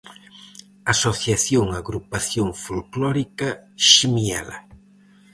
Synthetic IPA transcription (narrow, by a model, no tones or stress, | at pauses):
asoθjaθjoŋaɣɾupaθjoŋfulklɔɾikaʃimia̰la̰